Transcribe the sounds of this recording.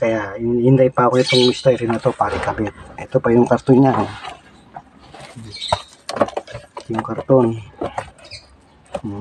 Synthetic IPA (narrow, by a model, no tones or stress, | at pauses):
kajainindaipawit̪ɔŋmist̪aiɾinat̪opaɾikabɛt̪̚it̪upajuŋkart̪uɲa | ajuŋkart̪un